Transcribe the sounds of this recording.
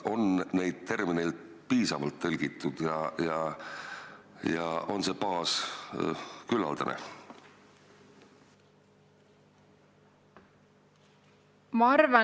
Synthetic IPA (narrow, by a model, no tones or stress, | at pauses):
ʔo̞nne̞jd̪̥̚t̪e̞rminejl | piːsɑvɑlt̪ːɤlʲɡ̥it̪ːˑud̪̥jɑjɑ | jɑ̰o̞nse̞pɑːs | kylːɑ̰ld̪̥ɑnḛ | mɑɑrvɑ